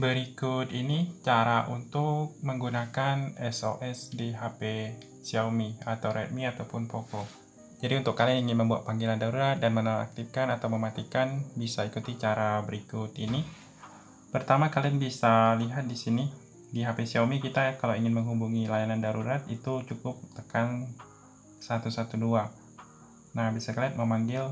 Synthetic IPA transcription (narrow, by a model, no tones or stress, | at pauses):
bəɾikʊt̪init͡ʃaɾaʔṵnt̪ʊk̚məŋɡunakanɛso̰ʔɛsdiɦape | siawmiat̪awɾɛt̪̚miat̪awpʊnpokɔ | d͡ʒadiunt̪ʊkːalianiŋɪnməmbua̰t̪̚paŋɡilandaɾuɾat̪̚danmənala̰k̚t̪ifkanat̪awməmat̪ikanbisaikut̪it͡ʃaɾabəɾikʊt̪ini | pərt̪amakalianbisaliɦat̪̚disini | diɦapesiawmikit̪akalawiŋɪnməŋɦubuŋilajanandaɾuɾat̪it̪ut͡ʃukʊp̚t̪əkan | sat̪usat̪udua | nahbisakaliat̪̚məmaŋɡɪl